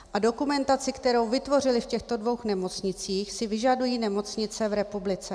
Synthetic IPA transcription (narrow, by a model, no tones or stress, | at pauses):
ʔado̞kumɛnt̪at͡sɪkt̪ɛɾo̞wvɪt̪vo̞r̝ɪlɪfcɛxt̪o̞dvo̞wxnɛmo̞t͡sɲɪt͡siːxsɪvɪʒadujiːnɛmo̞t͡sɲɪt͡sɛvɾɛpublɪt͡sɛ